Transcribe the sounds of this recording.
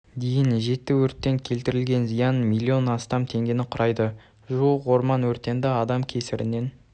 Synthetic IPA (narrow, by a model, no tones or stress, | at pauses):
d̪e̞jɪnʒe̞t̪ːɪwɵɾt̪ːe̞ŋkʲʰe̞lt̪ɪɾɪlɡʲe̞nzijɑnmijlʲːio̞nɑst̪ɑmt̪ʰe̞ŋɡʲenɪqʰʊɾɑjd̪ə | ʒuəwo̞ɾmɑnwɵɾt̪ːe̞nd̪ɪɑd̪ɑmkʲʰe̞sɪɾɪ̰nːe̞n